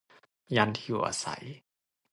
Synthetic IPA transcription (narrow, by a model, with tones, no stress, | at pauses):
ja˧nt̪ʰi˧˨u˨˩ʔa̰ː˧˩sa̰˨˩˦j